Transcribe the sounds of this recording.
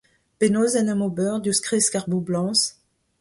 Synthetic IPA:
penozɛnɛmobœʁd̪yskχiskaʁbublɑ̃s

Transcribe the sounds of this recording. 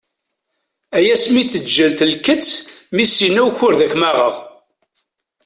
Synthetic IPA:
æjæsmiθəd͡ʒːælt̪lkət͡sːmisinæwçʊɾðækmæʁəʁ

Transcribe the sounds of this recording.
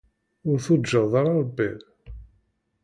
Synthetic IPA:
ʊɾθud͡ʒəðˤɑɾˤɑɾˤbːi

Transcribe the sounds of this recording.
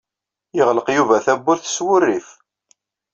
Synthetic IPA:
jəʁləqjuvæθæbːʊɾθswʊrːif

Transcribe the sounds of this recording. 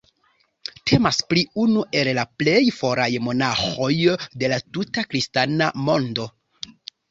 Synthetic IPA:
tʰe̞maspliunuʔe̞llaple̞jfo̞ɾajmo̞naxo̞jde̞latutakɾistanamo̞ndo̞

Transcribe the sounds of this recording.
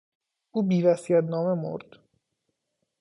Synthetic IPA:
ʔuːbiːvæsiːæt̪nɒːme̞mo̰ɾd̪̥

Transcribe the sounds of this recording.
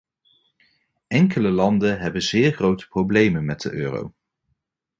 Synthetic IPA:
ɛŋkələlɑndənɦɛbənzɪːɹχrowtə̥prowblejmənmɛt̚də̰ʔøːro̰w

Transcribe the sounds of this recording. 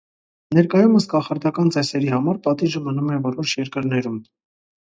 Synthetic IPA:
nɛɾkɑjuməskɑχɑɾd̪ɑkɑnt͡sɛsɛɾihɑmɑɾpɑt̪iʒəmənumɛvɔɾɔʃʰjɛɾkəɾnɛɾum

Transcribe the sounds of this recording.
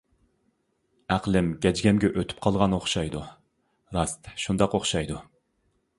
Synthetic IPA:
æqlˠɪmɡʲɛd͡ʒɡʲɛmɡʲɛʔøt̪ʰy̥p̚qʰɑlˠʁɑnoχʃɑjd̪u | ɾɑst̪ʃund̪ɑqoχʃɑjd̪u

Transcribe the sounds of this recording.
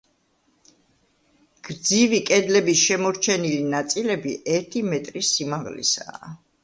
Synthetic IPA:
ɡ̥ɾd̪zivikʼɛd̪lɛbisʃɛmɔɾt͡ʃʰɛnilinat̪sʼilɛbiʔɛɾt̪ʰimɛt̪ʼɾisimaʁlḭsa̰ː

